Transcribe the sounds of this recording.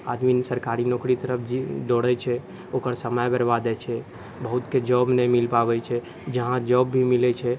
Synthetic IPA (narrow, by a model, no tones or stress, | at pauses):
ad̪minsəɾkaɾinokɾit̪əɾəpʰd͡ʒid̪oɽɛt͡ʃʰɛ | okəɾsəməjbəɾbad̪ɛt͡ʃʰɛ | bəɦut̪ked͡ʒɔbnemilpabɛt͡ʃʰɛ | d͡ʒəɦãd͡ʒɔbːʱimilɛt͡ʃʰɛ